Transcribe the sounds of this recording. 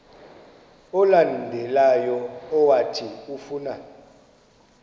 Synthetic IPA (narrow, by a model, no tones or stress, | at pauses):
ɔlandʱɛlajɔːwatʰiufuːna